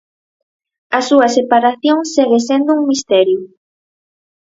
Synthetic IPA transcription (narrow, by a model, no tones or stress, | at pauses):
ɐsuɐsepaɾaθjoŋseɣesend̪ʊuŋmist̪ɛɾjʊ